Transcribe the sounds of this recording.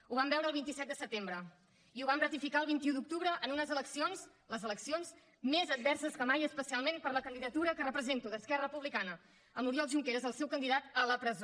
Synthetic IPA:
uβambɛwɾəlˠβint̪isɛt̪d̪əsət̪embɾə | iuβ̞amrət̪ifikaəlˠβ̞int̪iud̪uk̚t̪uβɾəʔənunəzələksionz | ləzələksionz | mezəd̪̚bɛrsəskəmajəspəsialˠmenpəɾləkənd̪iðət̪uɾəkərəpɾəzent̪uðəskɛrəəpuβlikanə | əmuɾiɔlˠʒuŋkeɾəzəlˠsɛwkənd̪iðat̪ələpɾəzo

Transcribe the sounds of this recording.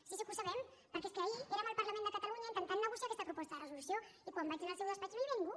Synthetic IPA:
sisikusɐβɛm | pəɾkeskəːieɾamalˠpɐɾlɐmẽnd̪əkət̪aluɲaint̪ənt̪annəɣusiakɛst̪əpɾupɔst̪əðərəzulusjoikwambakinalˠsewðəspat͡ʃnojβeŋɡu

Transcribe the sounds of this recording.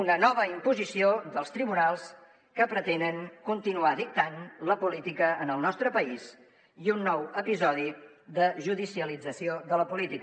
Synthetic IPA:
unənɔβəimpuzisioðəlˠst̪ɾiβunalˠs | kəpɾət̪enəŋkunt̪inuaðik̚t̪anləpulit̪ikəːnəlˠnɔst̪ɾəpəis | iunːɔwəpizɔð̞iðəʒuðisiəlid͡zəsioðələpulit̪ik

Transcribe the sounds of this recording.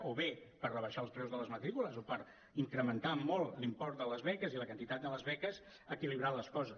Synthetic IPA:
oβepərrəβəʃaəlˠspɾɛwzðələzmət̪ɾikuləzopəɾ | iŋkɾəmənt̪amɔlˠlimpɔrt̪̚d̪ələzβɛkəziləkənt̪it̪at̪̚d̪ələzβɛkəz | əkiliβɾaləskɔzə

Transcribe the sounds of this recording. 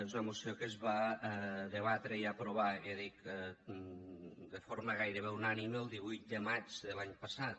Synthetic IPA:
ezunəmusiokəzβa | ðəβ̞at̪ɾəiapɾoβ̞aeðik | d̪əfoɾməɣajɾəβewnaniməlˠd̪iβujt̪̚d̪əmat͡ʃðəlaɲpasat̪

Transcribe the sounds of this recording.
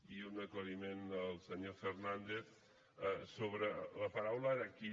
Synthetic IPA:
iunəkləðimend̪əlˠsəɲofernand̪eθ | soβɾələpəɾawləki

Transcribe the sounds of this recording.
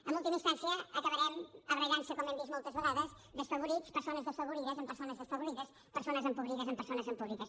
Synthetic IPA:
əmulˠt̪iməinst̪ansiəːkəβəɾɛməβɾəɣansəkɔmɛmd̪izmɔlˠt̪əzβəɣaðəz | ðəsfəβuɾispəɾsonəzðəsfəβuɾiðəzəmpəɾsonəzðəsfəβuɾiðəs | pəɾsonəzəmpuβɾiðəzəmpəɾsonəzəmpuβɾiðəs

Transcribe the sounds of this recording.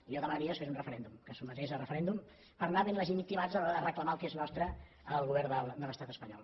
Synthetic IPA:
iɔðəmaɾiosfezunrəfəɾɛnd̪umkəsumət̪ezərəfəɾɛnd̪um | pəɾnaðəniləʒenikt̪imazəaðərəkləmaəlˠkeznɔst̪ɾə | əlˠɣuβɛɾd̪əlˠd̪ələst̪at̪əspəɲɔ̰lˠ

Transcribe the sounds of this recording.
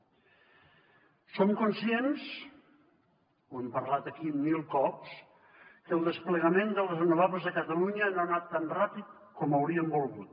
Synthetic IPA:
somkunsjens | uempəɾlat̪əkimːilˠkɔps | kəlˠd̪əspləɣəmend̪əlˠrənuβaβəzðəkət̪əluɲənoːnat̪ːanrapit̪̚kɔməwɾiəmbulˠɣut̪̚

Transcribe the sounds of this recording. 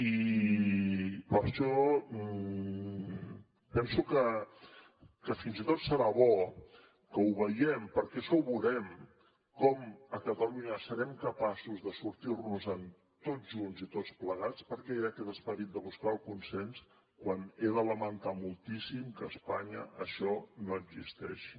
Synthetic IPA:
i | pəɾʃɔ | pɛnsukə | kəfinzit̪ot̪səɾaβɔ | kəuβəjɛmpəɾkɛʃɔuβuɾɛm | kɔməkət̪əluɲəsəɾɛmkəpasuzðəsuɾt̪irnuzən | t̪oʒunzit̪ot͡spləɣat͡spəɾkɛeɾəkɛt̪əspəɾit̪̚d̪əβuskaəlˠkunsɛns | kwaneðələmənt̪amulˠt̪isimkəːspaɲə̰ʔəʃɔnoəɡzist̪ɛ̰ʃi̥

